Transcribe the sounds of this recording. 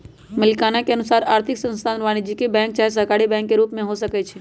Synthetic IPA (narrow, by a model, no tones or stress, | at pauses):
mɪlkaːnakeənʊsaːɾaːɾt̪ʰɪksə̃nst̪ʰaːnʋaːnid͡ʒikebɛ̃ːŋk̚t͡ʃaːɦesəkaːɽibɛ̃ːŋkːeɾuːpmẽɦosəkɛt͡ʃʰɛ